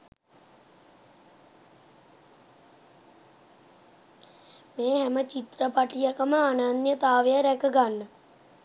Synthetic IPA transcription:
meːɦæmət͡ʃit̪rəpaʈijakəməananjət̪aːʋejəɾɛkəɡanːə

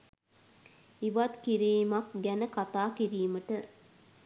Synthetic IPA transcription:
iʋɐt̪kiɾiːmɐk̚ɡɛnəkat̪aːkiɾiːməʈə

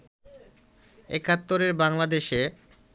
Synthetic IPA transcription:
ɛ̰kat̪ːoɾeɾbaŋlad̪eʃe

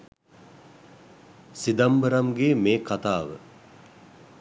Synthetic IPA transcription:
sid̪ambəɾamɡeːmeːkat̪aːʋə̰

